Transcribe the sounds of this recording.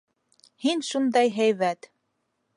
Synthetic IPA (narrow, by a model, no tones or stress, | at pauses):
hinʃund̪ɑjɦæjβæt̪